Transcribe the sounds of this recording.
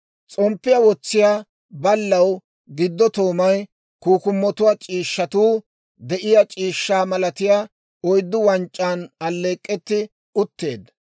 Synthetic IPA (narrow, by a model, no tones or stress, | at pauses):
t͡sʼɔmpːɪjɐwɔt͡sːɪjaː | bɐlːɐw | ɡɪd̪ːɔt̪oːmɐj | kuːkʊmːɔt̪ʊwat͡ʃʼiːʃːɐt̪uː | d̪ɛʔɪjat͡ʃʼiːʃːaːmɐlɐt̪ɪjaː | ɔjd̪ːʊwɐnt͡ʃʼːaːnɐlːe̞ːkʼːɛt̪ːɪ | ʊt̪ːe̞ːd̪